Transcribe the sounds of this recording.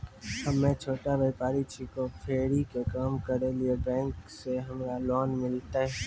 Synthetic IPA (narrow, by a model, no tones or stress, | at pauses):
hɐmːẽt͡ʃʰoːʈaʋeːpaːɾit͡ʃʰikopʰeːɾikekaːmkɐɾeliebɛ̃ːŋkseɦɐmɾalɔːnmɪlt̪aɦɛ